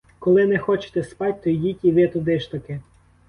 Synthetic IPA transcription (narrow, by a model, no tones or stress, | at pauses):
kɔlˠɪnɛxɔt͡ʃe̥t̪ɛspɑtʲt̪ɔjdʲitʲiʋɪt̪ʊd̪ɪʃt̪ɐkɪ